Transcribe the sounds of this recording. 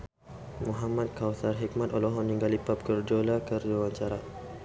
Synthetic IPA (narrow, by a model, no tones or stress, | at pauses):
muɦamat̪̚kawsarɦik̚mat̪ɔlɔɦɔnːiŋɡalipap̚kərd͡ʒolakərd͡ʒowaɲt͡ʃaɾa